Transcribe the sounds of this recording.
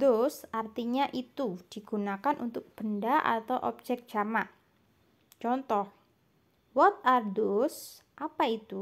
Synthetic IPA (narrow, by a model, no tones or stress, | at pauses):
dʊsʔart̪iɲaʔit̪ud̥i̤ɡ̥unakanʔunt̪ʊk̚b̥əndaʔa̰t̪awʔɔb̥̚d͡ʒɛk̚d͡ʒ̥amaʔ | t͡ʃɔnt̪ɔh | wɔt̪̚ard̪os | ʔapait̪u